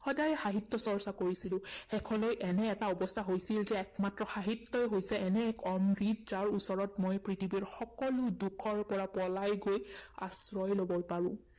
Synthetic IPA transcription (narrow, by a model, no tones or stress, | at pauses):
xɔdajɛxaɦitːɔsɔɹsakoɹisilʊ̃xɛkʰɔ̃lojʔɛnɛːtaɔbɔstʰaɦojsilzɛɛkmatɹɔxaɦitːɔɛɦojsɛɛnɛkʰɔmɹitzaɹusɔɹɔtmojpɹitʰibiɹxɔkɔlʊdukʰɔɹpɔɹapɔlajɡoja̰sɹɔjlobɔpaɹʊ̰̃